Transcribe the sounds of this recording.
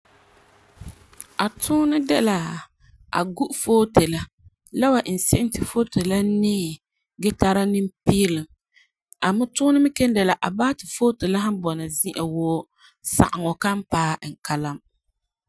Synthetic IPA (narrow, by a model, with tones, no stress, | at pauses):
a˨tʰʊ˦nɨ˦dɛ˦la˨ | a̰˨ɡu˦ʔfoː˦te˨la˦ | la˦wa˨ʔn̩˨sɪ˦ʔɪ˦ntɨ˨fo˦te˨la˦nɪː˦˨ | ɡɛ˦ta˦ɾa˦nɨ˦mpiː˦lɨ˨m | a˨mʊ˦tʊː˦nɨ˦mɪ˦kɛ˦n˦dɛ˨la˨ʔa˨baː˦tɨ˨foː˦te˨la˦ha˦mbɔ˨nɨ˨zi˦ʔa˨woː˦ | sa̰˨ʔa˨ŋɔ˨ka˦m˦paː˦˨ŋ̩˨ka˦la˦m